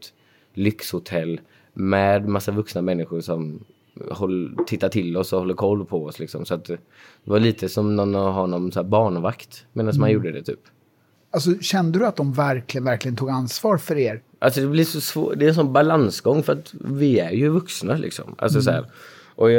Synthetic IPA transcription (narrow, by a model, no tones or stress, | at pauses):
t̪ | lʏkshʊt̪ʰɛlː | mɛːd̪masːavɵksnamɛnːɪɧʊɾʂɔm | hɔlːt̪ʰɪt̪ːaʈʰɪlːɔsɔhɔlːəɾkʰɔlːpʰɔɔslɪksɔmsɔat̪̚d̪ | d̪̥ɛvaɭiːt̪əsɔmnɔnːɔɦɔnɔmsɔæːɾbɑːɳvakt̪meːnansmanjuːɖəd̪ɛt̪ʰy̰ːp | alsɔɕɛnd̪əd̪ɵat̪̚d̪ɔmvæɾklɪɡənvæɾklɪɡənt̪uːɡansvɑːɾfœɾeːɾ | ʔals̬ɔd̪ɛblɪʂɔsvo̰ːd̪ɛɛnsɔnbalansɡɔŋːfœɾat̪vɪæɾjɵvɵksnalʔɪ̰ksɔ̰mʔa̰ls̬ɔs̬ɔæ̰ːɾ | ʔɔ